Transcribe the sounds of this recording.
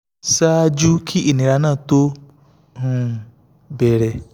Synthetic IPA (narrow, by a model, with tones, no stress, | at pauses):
sa˦d͡ʒu˦kʰi˦ʔi˨nĩ˨ɾa˧˦nã˦˨t̪o˦ | hũ˧˨ | bɛ˨ɾɛ˨